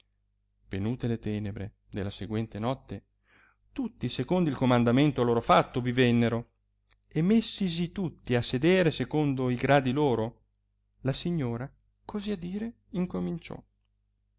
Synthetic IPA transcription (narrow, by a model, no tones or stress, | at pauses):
venuːt̪elet̪ɛːnebɾḛ | d̪elːaseɡwɛnt̪enɔt̪ːe | t̪ut̪ːisekond̪oilkomand̪ament̪oaloːɾofat̪ːovivɛnːeɾo | emesːis̬it̪ut̪ːiasːed̪eːɾesekond̪oiɡɾaːd̪iloːɾo | lasiɲːoːɾa | kʰoziad̪iːɾe | iŋkomint͡ʃɔ̰